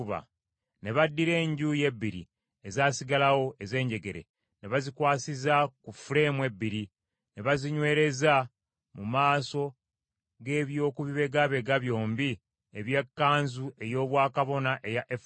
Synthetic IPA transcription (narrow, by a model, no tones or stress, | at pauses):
βa̰ | ne̞βadːiɾe̞ːɲɟuje̞bːiɾḭ | ezaːsiɡalawo̞e̞ze̞ːɲɟe̞ɡe̞ɾe̞̰ | ne̞βazikwaːsizakufule̞mwe̞bːiɾi | ne̞βaziɲwe̞ːɾe̞za | mumaːso̞ | ɡe̞ːβjo̞ːkuβiβe̞ɡaβe̞ɡaβjo̞ːmbi | eβje̞kːaːnzue̞jo̞ːβwaːkaβo̞naʔe̞jaʔef